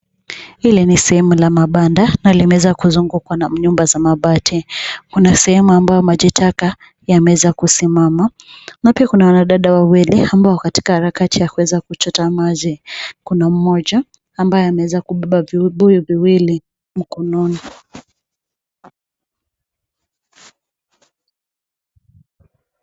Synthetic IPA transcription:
hilinisɛhɛmulamaɓandanalimɛwɛzakuzuŋɡukwanam̩ɲumbazamaɓatʰikunasɛhɛmuambajɔmaʄitʰaka | jamɛwɛzakusimama | napiakunawanaɗaɗawawiliambaɔkati̥kahaɾakatijakuwɛzakut͡ʃɔtamazikunam̩mɔʄaː | mbajɔamɛwɛzakuɓɛɓavɓujiviwili | m̩kɔnɔni

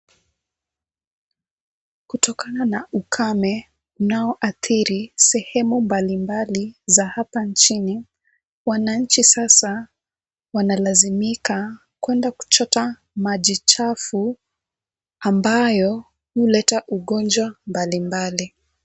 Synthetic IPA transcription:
kutɔkananaʔukʰamɛ | unaɔʔaθiɾisɛhɛmumbalimbalizahapant͡ʃini | wanaɲ̩t͡ʃisasa | wanalazimika | kwɛndaku̥t͡ʃɔta | maʄit͡ʃafu | ambajɔ | hulɛtaʔuɠɔnd͡ʒwambalimbali

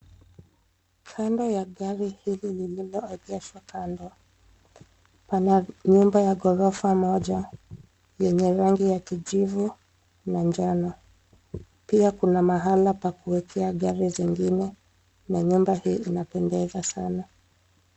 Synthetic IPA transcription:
kʰandɔjaɠaɾihililililɔɛʄɛʃwakandɔ | panaɲumbajaɡɔɾɔfamɔʄa | jɛɲɛɾaŋɡijakiʄivu | naɲd͡ʒanɔ | piakunamaɦalapakuwɛkʰɛaɠaɾiziŋɡinɛ | naɲumbahiːinapɛndɛzasana

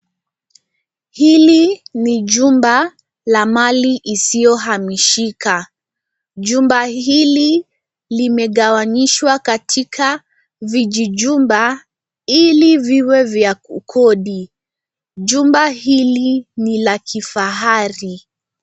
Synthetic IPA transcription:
hiliniʄumba | lamaliʔisijɔɦamiʃikʰa | ʄumbahili | limɛɠawaɲiʃwakatʰikʰa | viʄiʄumba | iliviwɛvjaukʰɔɗi | ʄumbahilinilakʰifaɦaɾi

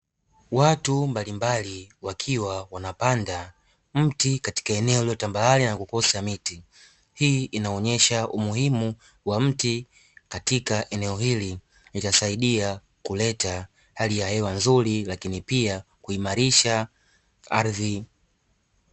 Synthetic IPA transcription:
watumbalimbaliwakʰiwawanapanda | m̩tikati̥kaɛnɛɔliɔtambalalinakukɔsamiti | hiːinaɔɲɛʃaʔumuhimu | wam̩ti | katikaʔɛnɛɔhili | litasaiɗia | kulɛta | halijahɛwanzuɾilakinipia | kuimaɾiʃa | aɾði

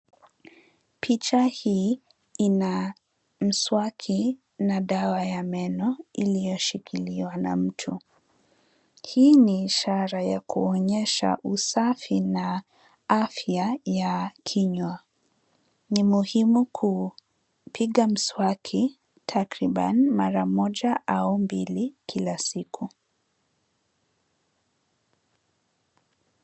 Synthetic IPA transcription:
pʰit͡ʃahiː | ina | m̩swakʰi | naɗawajamɛnɔilijɔʃikʰiliwana̰m̩tʰu | hiːniːʃaɾajakʰuɔɲɛʃa̰ʔusafina | afjajakʰiɲwa | nimuhimukʰu | piɠam̩swakʰi | tʰakɾiɓa̰nimaɾamɔʄaʔaumbilikʰilasikʰu

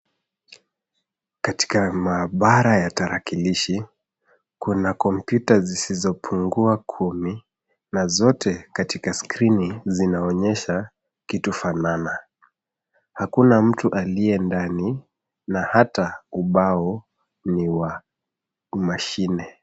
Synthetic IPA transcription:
kati̥kamaːɓaɾajataɾakiliʃi | kunakɔmpjutazisizɔpʰuŋɡuakʰumi | nazɔtʰɛkatikaskɾinizinaɔɲɛʃa | kitufanana | hakunam̩tuʔaliɛndani | nahatauɓaɔ | niwa | maʃinɛ

